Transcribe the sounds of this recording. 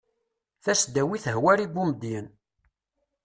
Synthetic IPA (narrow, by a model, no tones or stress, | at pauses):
θæsd̪æwiθəɦwæɾiɡʷuməd̪jən